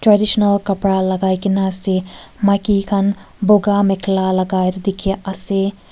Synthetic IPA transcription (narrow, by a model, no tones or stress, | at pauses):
ʈɾadiʃnɐlkɐpɾalɐɡaːjkinasemɐkikʰɐn | boɡamekʰlalɐɡaːjɾɐd̪ikʰeʔɐse